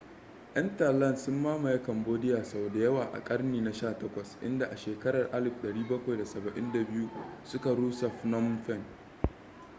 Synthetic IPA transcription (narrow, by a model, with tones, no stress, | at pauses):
ʔɐ˦nta˨lɐ˦˨nsʊ˦mːaː˦mɐ˨ja˦kɐ˨mboː˦dɪ˦jaː˨sɐ˨boː˨da˨jɐ˦waː˨ʔa̰˨kʼɐ˦rniː˨na˦ʃaː˦˨tɐ˦kʷɐ˨sʔɪ̰˦nda˨ʔa˨ʃeː˨kɐ˦ɽɐ˨rʔa˦lɪ˦˨ɸɗɐ˨ɽiː˦bɐ˦kʷa˨jda˨sɐ˨bɐ˨ʔɪ˦nda˨bɪ˦ju˦sʊ˦ka˨ɽuː˦sa˨ɸnɔ˦mɸɛ˦˨n